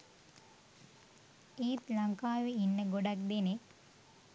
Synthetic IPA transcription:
iːt̪laŋkaːʋeinːəɡoɖak̚d̪ene

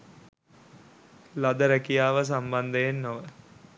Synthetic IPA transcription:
lad̪əɾɛkijaːʋəs̬amband̪əjenːoʋə

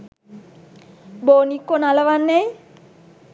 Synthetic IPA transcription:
boːnikːonaləʋanːej

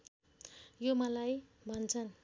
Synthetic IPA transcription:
jomʌlaj | bʱʌnt͡sʰʌn

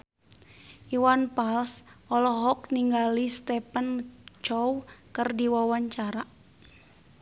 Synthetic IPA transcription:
ʔiwanpalsʔɔlɔɦɔk̚niŋɡalist̪ɛpant͡ʃɔwkɨrdiwawaɲt͡ʃaɾa

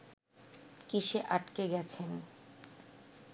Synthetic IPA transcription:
kiʃeʔaʈkeɡɛt͡ɕʰen

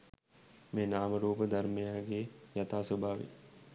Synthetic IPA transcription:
meːnaːməɾuːpəd̪ʱɐɾmejaːɡeːjat̪aːsobʱaːʋḭ

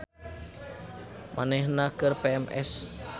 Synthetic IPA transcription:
mʔa̰nɛhnakərpeɛmɛ̰s

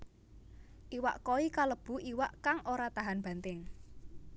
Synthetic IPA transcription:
ʔiwa̰ʔkoikaləb̥ṳiwaʔkaŋoɾat̪aɦanb̥a̤nt̪ɪŋ

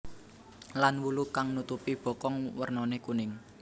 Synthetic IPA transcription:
lanwulukaŋnut̪upib̥ɔ̤kɔŋwərnɔnekunɪŋ

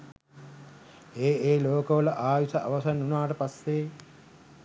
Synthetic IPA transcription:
eːeːloːkɐʋɐlɐʔaːʋisɐʔɐʋɐsɐnːunaːʈɐpɐst̪eː

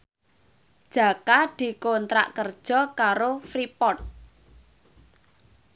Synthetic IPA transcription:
d̥ʒ̥a̤kad̪̥i̤kont̪ɾa̰ʔkərd̥ʒ̥ɔ̤kaɾofɾipɔt̪̚

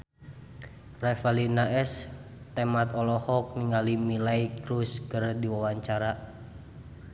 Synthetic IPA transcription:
rɛfalinaʔɛs | t̪ɛmat̪ɔlɔhɔk̚niŋalimilaikɾuskərdiwawaɲt͡ʃaɾa

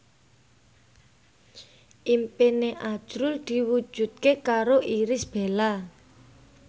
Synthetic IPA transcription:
ʔimpineʔḁʒ̥ɾʊld̪̥i̤wu̥d͡ʒʒ̥ṳt̪̚kekaɾoʔiɾɪsb̥e̤la

